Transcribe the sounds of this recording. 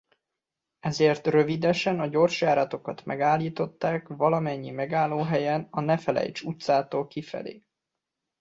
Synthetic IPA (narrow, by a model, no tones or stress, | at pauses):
ɛzeːrt̪røvid̪ɛʃɛnɒɟo̞rʃjaːɾɒt̪o̞kɒt̪mʔɛ̰ɡaːlːiːt̪o̞t̪ːaːkvɒlɒmɛɲːimɛɡaːlːoːɦɛjɛnɒnɛfɛlɛ̰jt͡ʃut̪saːt̪oːlkifɛ̰lḛː